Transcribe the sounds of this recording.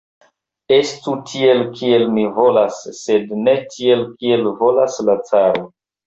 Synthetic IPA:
e̞stutʰie̞lkʰie̞lmivo̞lasːe̞dne̞tʰie̞lkie̞lvo̞laslat͡saɾo

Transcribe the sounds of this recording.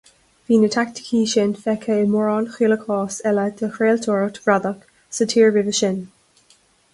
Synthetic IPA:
viːnət̪ʰak̚t̪ʰə̥kʰiːʃɪnfɛkʰeːmɔɹɑːnxiːləkʰɔːsɛləd̪̥əxɹeːlt̪ʰɔɹət̪v̥ɹad̪ək | sətʰiːɹvɪvəʃɪn

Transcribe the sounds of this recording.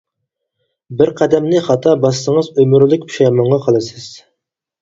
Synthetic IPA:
bɪɾqʰæd̪ɛmnɪχɑt̪ʰɑbɑsːəŋəzømyɾlˠɪkʲpʰu̥ʃɑjmɑɴʁɑqʰɑlˠɨsɨz̥

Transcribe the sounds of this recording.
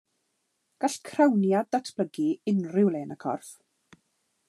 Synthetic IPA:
ɡ̥aɬkʰrawnjadatʰb̥ləɡiɪnrɪwleːnəkʰɔ̰rf

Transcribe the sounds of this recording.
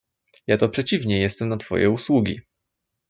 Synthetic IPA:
jat̪ɔpʂɛt͡ɕivɲɛjɛst̪ɛmnat̪fɔ̰jʔɛ̰uswuɡʲḭ

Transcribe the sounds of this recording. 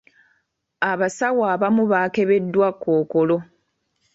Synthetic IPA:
aβasawaːβamuβake̞βe̞dːwakʰːoːko̞lo̞

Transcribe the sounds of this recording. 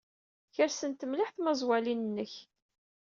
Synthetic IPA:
çəɾsənt̪əmlɪħθməzˤwælinənːəç

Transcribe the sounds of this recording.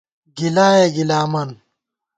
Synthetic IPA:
ɡilaːjeɡilaːmɐn

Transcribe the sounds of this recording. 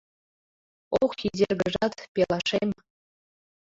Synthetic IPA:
okxidʲerɡə̆ʒɑt̪pʲelˠɑʃemʲ

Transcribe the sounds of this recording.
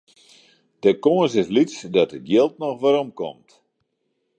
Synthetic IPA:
d̥əkoənsɪslitsdɔtədjelˠt̚nɔxʋaɾomkɔ̰mt

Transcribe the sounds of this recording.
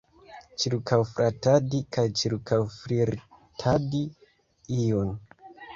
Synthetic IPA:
t͡ʃiɾkʰawfɾʔatadikʰajt͡ʃiɾkʰawfɾiɾ | tʰadi | ijon

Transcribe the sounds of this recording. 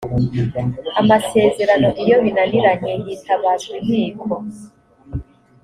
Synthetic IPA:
amase̞ːze̞ɾano̞ʔijo̞βinaniɾaɲejiːtʰaβaːzun̥iːkʰo

